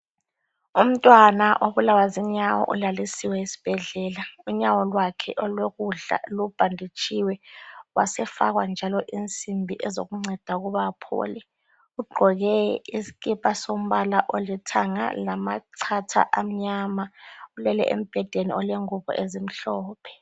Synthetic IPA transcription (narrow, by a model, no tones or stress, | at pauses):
um̩tʼwanaʔoβulawaziɲawɔ̰ʔulalisiwɛisi̥b̥ʱɛɮɛːlauɲawɔlwakʰɛ̰ʔɔlweɣuɮa̰lub̥ʱandʱit͡ʃʰʼiwɛwa̰sɛfaɣwand͡ʒʱalɔʔint͡sʼimbʱiʔɛzo̰ɣuŋ͡ǀɛd̥ʱaɣuβapʰɔ̰ːlɛ | uɡ͡ǃʱɔɣɛisi̥kʼipʼasom̩βalaʔolitʰaŋa̰lamaǀʰatʰa̰ʔam̩ɲaːmaulɛlɛʔḛm̩b̥ʱɛd̥ʱeniɔleŋuβɔ̰ʔezim̩ɬɔːpʰɛ̥